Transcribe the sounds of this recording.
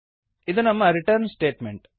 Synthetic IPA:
id̪unɐmːɐɾiʈɐɾnsʈeːʈmeɳʈ

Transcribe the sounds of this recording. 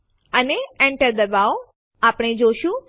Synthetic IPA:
əneɛɳʈəɾd̪əbao | apəɽ̃ed͡ʒoʃũ

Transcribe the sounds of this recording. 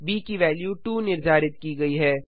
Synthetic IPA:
biːkiʋɛːljuʈuːnɪɾzaːɾɪt̪̚kiːɡɐiɦɛː

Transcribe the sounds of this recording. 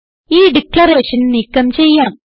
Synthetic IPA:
iːɖiklɐreːʂɐnniːkːɐmt͡ɕe̞jːaːm

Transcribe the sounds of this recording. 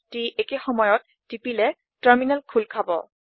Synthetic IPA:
tiʔekexɔmɔjɔt̚ːipilɛ | taɹminalkʰulkʰabɔ̰

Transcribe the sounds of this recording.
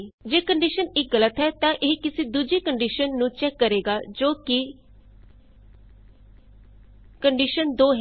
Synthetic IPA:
d͡ʒeːkəɳɖiːʃənɪk̚ɡələt̪ɦɛːt̪ãːʔɪɦkɪseːd̪uːd͡ʒeːkəɳɖiːʃənːũːt͡ʃɛːkːəɾeːɡaːd͡ʒoːkɪ | kəɳɖiːʃənd̪oːɦ

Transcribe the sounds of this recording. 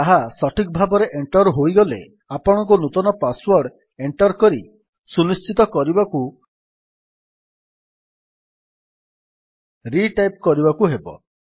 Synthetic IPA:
aɦasɔʈʰik̚bʱabɔɾeʔeɳʈɔɾɦojɡɔlḛ | apɔɽ̃ɔŋkɔnut̪ɔnɔpaswɔɾɖ | eɳʈɔɾkɔɾi | sunist͡ʃit̪ɔkɔɾibaku | ɾiʈajpkɔɾibakuɦebɔ̰

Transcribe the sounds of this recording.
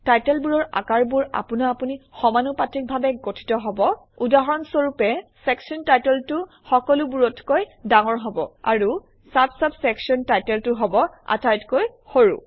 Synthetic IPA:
tajtɛlbuɹɔɹa̰kaɹbuɹa̰punaːpunixɔmanupatɹik̚bʱabɛɡotʰi̥tɔɦɔbɔ | udaɦɔɹɔnsoɹupɛsɛksiɔntajtɛltu | xɔkɔlubuɹɔtʰkojdaŋɔɹɦɔbɔa̰ɹu | sapsapsɛksiɔntajtɛltʊɦɔbɔa̰tajtkoj | hoɹṵ

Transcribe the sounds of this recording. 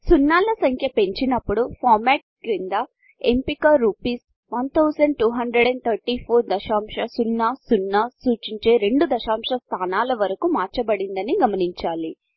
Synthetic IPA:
sunːaːlɐsɐŋkʰjɐpe̞ɲt͡ʃinɐpːuɽupʰaːɾmɛːʈ̚ɡɾind̪ɐ | empikaɾupiːs | ʋɐnt̪ʰɐwsɐɳɖ̚ʈuːɦɐɳd̪ɾeɽɛɳt̪ʰɐɾʈiːpʰoːɾd̪ɐʃaːmʂɐsunːasunːɐsuːt͡ʃiɲt͡ʃe̞ːɾe̞ɳɖud̪ɐʃaːmʂɐst̪ʰaːnaːlɐʋɐɾɐkumaːɾt͡ʃɐbɐɽind̪ɐniɡɐmɐniɲt͡ʃaːli

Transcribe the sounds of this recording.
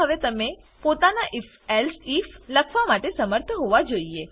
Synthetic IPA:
əʋet̪əme | pot̪anaʔif | elsifləkʰʋamaʈesəməɾt̪ʰɦoʋad͡ʒoie

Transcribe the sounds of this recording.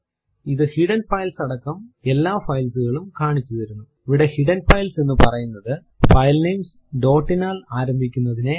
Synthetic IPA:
iðɨhiɽɐnfɐjlsɐɽɐkːɐme̞lːaːfɐjlsuɣɐɭumkaːɳit͡ɕːuðɐɾunːu | iʋiɽe̞hiɽɐnfɐjlse̞nːɨpɐrɐjunːɐðɨ | fɐjlneːms | ɖo̞ːʈːinaːlaːɾɐmbʱikʲːunːɐðine

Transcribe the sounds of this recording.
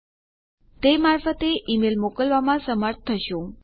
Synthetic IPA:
t̪emaɾfət̪eʔimelmokəlʋamãsəməɾt̪̚ʰt̪ʰːəʃũ

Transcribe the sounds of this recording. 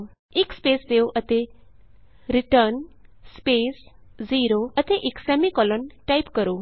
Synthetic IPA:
ikspest̪ewʔət̪e | ɾiʈəɾnspesziɾoət̪eʔiksɛmikɔlɔnʈaipkəɾo

